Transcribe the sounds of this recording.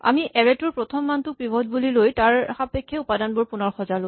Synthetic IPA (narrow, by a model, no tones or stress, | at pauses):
a̰miʔɛɹɛtuɹpɹɔtʰɔmːantʊk̚pɹibʱɔdbulilojtaɹxapɛkʰːɛupadanbuɹpunɔɹxɔzalo